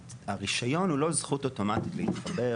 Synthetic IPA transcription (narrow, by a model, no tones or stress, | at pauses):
aʁiʃajo̞nhulo̞zχuto̞to̞matit̪lehit̪χabe